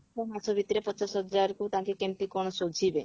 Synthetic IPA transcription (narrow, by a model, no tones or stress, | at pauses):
ɔmasʰɔbʱit̪ɾepɔt͡ʃasɦɔd͡ʒaɾkut̪ãŋkekempikɔɽ̃ɔsod͡ʒʱibe